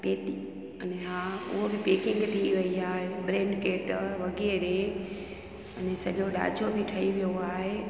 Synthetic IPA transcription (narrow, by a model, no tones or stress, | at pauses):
peːt̪i | ɐneɦaːʊ̰ɦobɪpeːkɪ̃ŋɡt̪ʰiʋɐiaːɦebɾẽːɳɖkeːʈʋɐɡeːɾẽ | ɐnẽsɐʄoɗa̰ːd͡ʑobɪʈʰɐiʋijoaːɦe